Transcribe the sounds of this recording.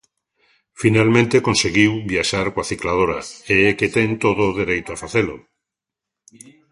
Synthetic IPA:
finalmẽnt̪ekonseɣiwβiaʃaɾkoaθiklað̞oɾaeɛket̪ɛŋt̪oðoðeɾejt̪oafaθelo

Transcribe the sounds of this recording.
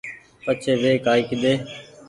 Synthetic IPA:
pət͡ʃʰeːʋeːkaːiːkɪd̪eː

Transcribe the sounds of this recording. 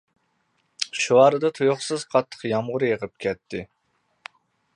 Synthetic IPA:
ʃuɑɾɨd̪ɑt̪ʰujoχsɨz̥qʰɑt̪ʰːə̥qjɑmʁʊɾɨjəʁɨp̚kʲʰɛt̪ʰːɪ

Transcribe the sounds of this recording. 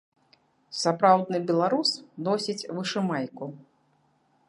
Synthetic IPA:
sapɾawd̪nɨbʲɛlˠaɾusnɔsʲit͡sʲvɨʂɨmajku

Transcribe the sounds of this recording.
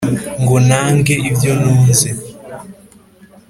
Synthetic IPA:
ŋɡɔnaŋɡɛʔivjɔnunzɛ

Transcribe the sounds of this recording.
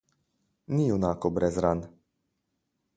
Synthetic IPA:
niunakɔbɾɛzɾan

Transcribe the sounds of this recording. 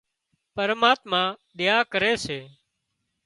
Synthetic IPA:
pəɾmaːt̪mãːɗɪjaːkəɾeːseː

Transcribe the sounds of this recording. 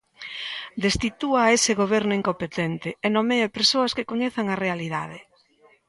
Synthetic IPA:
d̪est̪it̪uaesɪɣoβ̞ɛɾnʊiŋkompet̪ɛnt̪ɪɛnomeapeɾsoɐskɪkoɲeθaŋarealiðaðe

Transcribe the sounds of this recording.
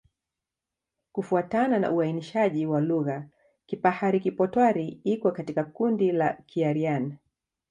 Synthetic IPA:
kufuatanana̰ʔuainiʃaʄiwaluɣa | kipahaɾikipɔtwaɾiikwɔkatikakundilakʰiaɾiana

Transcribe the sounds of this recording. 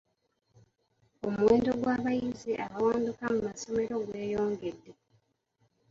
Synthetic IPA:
o̞muwe̞ːndo̞ɡwaːβajiziʔaβawaːndukamumaso̞me̞ɾo̞ɡwe̞ːjo̞ːŋɡe̞dːe̞

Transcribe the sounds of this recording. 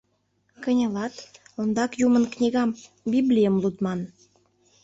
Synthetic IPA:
kənʲə̆lɑt̪ond̪ɑkjumənknʲiɣɑm | biblʲijəmlut̪mɑn

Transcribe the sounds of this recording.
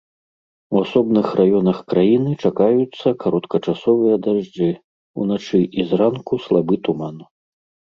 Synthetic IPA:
wasɔbnɨxrʔajɔnɐxkɾajinɨt͡ʂakajut̪sːɐkaɾɔt̪kɐt͡ʂasɔvɨjɐd̪aʐd͡ʐɨ | ṵnat͡ʂɨʔizrankuslˠabɨt̪uman

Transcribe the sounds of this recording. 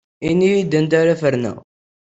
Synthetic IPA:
inːijid̪ənt̪æɾæfəɾnæ̰

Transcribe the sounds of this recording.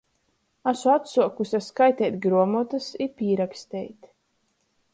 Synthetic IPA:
asuat̪suɔkusʲaskajt̪ɛjt̪ʲɡɾuɔmɔt̪asipiːɾakst̪ʲɛjt̪

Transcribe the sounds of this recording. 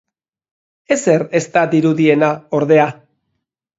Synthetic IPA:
e̞se̞re̞st̪ad̪iɾuðie̞nao̞ɾðe̞a

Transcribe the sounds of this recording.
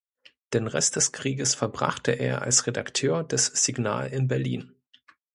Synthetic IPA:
d̥eːnʁɛst̚d̥ɛskʁ̥iːɡəsfɛɐbʁa̰χtʰəʔḛːɐʔa̰lsʁedaktʰøːɐdɛsz̥iɡna̰ːlɪnbɛɐlḭːn

